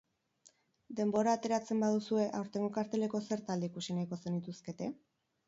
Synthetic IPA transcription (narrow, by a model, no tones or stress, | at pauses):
d̪e̞mbo̞ɾaːt̪e̞ɾat͡se̞mbað̞usue̞ʔawɾt̪e̞ŋɡokaɾt̪e̞le̞ko̞se̞ɾt̪ald̪eikusinaiko̞se̞nit̪uske̞t̪e̞